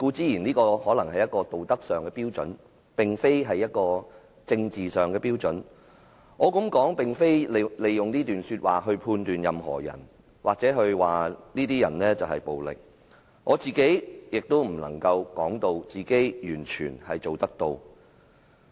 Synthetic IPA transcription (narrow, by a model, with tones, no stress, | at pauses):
kuː˧t͡siː˥jiː˨˩niː˥kɔː˧hɔː˨˥lɐ˨˩ŋhɐ˨jɐ˥t̚kɔː˧t̪o˨wt̪ɐ˥k̚sœː˨ŋkɛː˧piː˥wt͡sɵ̰˨˥n | pɪ˨˩ŋfe˥jɦɐ˨jːɐ˥t̚kɔː˧ | t͡sɪ˧ŋt͡siː˨˩sœː˨ŋkɛː˧piː˥wt͡sɵ˨˥n | ŋɔː˨˧kɐ˨˥mkɔː˨˥ŋpɪ˨ŋfe˥jle˨jʊ˨ŋniː˥t̪yː˨nsyː˧t̚wa̰ː˨ɦɵ˧pʰuː˧nt̪yː˨njɐ˨mɦɔ̰ː˨˩jɐ̰˨˩n | waː˨k̚t͡sɛː˨˥ɦɵ˧ɥwaː˨niː˥t̪iː˥jɐ̰˨˩nlɛː˥t͡sɐ˨whɐ˨jpo˨wlɪ̰˨k̚ | ŋɔː˨˧t͡siː˨ke˨˥jjɪ˨k̚t̪o˥wm̩˨˩lɐ̰˨˩ŋkɐ˧wkɔː˨˥ŋt̪o˧wt͡siː˨ke˨˥jjyː˨˩nt͡ʃʰyː˨˩nhɐ˨jt͡so˨wt̪ɐ˥k̚t̪o˧w